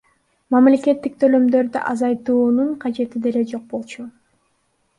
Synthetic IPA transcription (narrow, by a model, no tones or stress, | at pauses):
mɑmle̞kʲe̞t̪ːik̚t̪ʰø̞lø̞md̪ø̞ɾd̪y̰ʔɑzɑjt̪uːnuɴqʰɑd͡ʒe̞t̪id̪e̞ɾe̞d͡ʒo̞q̚bo̞lˠt͡ʃʰu